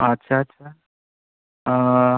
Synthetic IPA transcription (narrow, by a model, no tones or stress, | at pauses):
ɐtːɕʰaɐtːɕʰa